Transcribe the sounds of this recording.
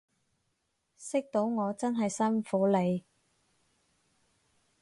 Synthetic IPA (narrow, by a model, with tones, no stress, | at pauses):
sɪ˥k̚t̪o˨˥wŋɔː˨˧t͡sɐ˥nɦɐ˨jsɐ˥nfuː˨˥le˨˧j